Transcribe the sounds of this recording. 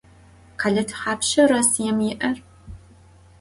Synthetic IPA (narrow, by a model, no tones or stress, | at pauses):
qʰaːɮɐtʰħaːpʃɐrɐsjɛmjɪʔɐr